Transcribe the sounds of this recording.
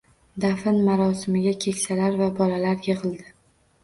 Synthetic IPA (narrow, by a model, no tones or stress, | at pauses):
d̪afɪnmaɾɒsɪmɪɡʲakʲʰe̞kʲsalaɾvabɒlalaɾjeʁɨlˠd̪ɪ